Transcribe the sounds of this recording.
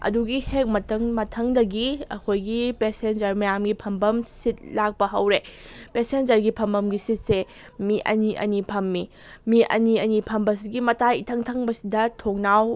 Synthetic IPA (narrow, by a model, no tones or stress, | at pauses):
ɐ̰duɡihek̚mɐtʰɐŋmɐtʰɐŋdɐɡiɐ̰kʰojɡipesend͡ʒɐɾmɐjamɡipʰɐmbɐmsit̚lak̚pɐɦɐwɾepesend͡ʒɐɾɡipʰɐmbɐmɡisit̚se | miʔɐ̰niʔɐ̰nipʰɐmːi | miʔɐ̰niɐnipʰɐmbɐs̬iɡimɐtʰajitʰɐŋtʰɐŋbɐsidɐtʰoŋnaw